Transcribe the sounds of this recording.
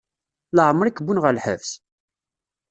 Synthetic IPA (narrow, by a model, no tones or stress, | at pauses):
ləʕəmːəɾikːəbunʁəlħə̰vθ